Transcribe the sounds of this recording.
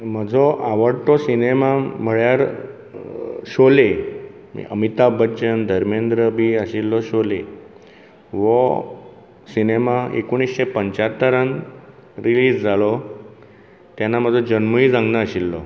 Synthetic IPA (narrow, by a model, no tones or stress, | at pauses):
məd͡zʱɔʔaʋəɽʈ̪ɔsinemam̤əɭjaɾ | ɕole | mḭʔə̰mit̪abəːɕənd̪ʱəɾmend̪ɾəbiːəɕilːɔɕole | ʋɔ | sinemaḛkoɳ̃isɕepəɲt͡ɕat̪ːəɾan | ɾiliːd͡zd͡zʱalɔ | t̪janam̤əd͡zʱɔd͡ʑənməid͡zãŋɡnəəɕilːɔ̰